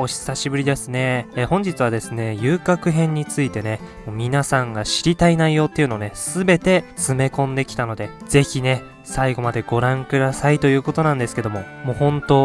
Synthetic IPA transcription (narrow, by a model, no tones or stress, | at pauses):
o̞ɕi̥saɕibɯ̟ɾʲid̪e̞sɨne̞hõ̞ɲ̟d͡ʑit͡sɨβad̪e̞sɨne̞jɯːkakɯ̟ɦẽ̞ɲ̟ːit͡sɨit̪e̞ne̞moːmʲinasãŋɡaɕiɾʲit̪ainaijo̞t̪ːeiɯ̟no̞ːne̞sɨbe̞t̪e̞t͡sɨme̞kõ̞nd̪e̞kʲi̥t̪ano̞d̪e̞d͡z̥e̞çine̞ | saiɡo̞mad̪e̞ɡo̞ɾãŋkɯ̟d̪asait̪o̞jɯ̟ːko̞t̪o̞nãnd̪e̞sɨ̥ke̞d̪o̞mo̞moːhõ̞nt̪o̞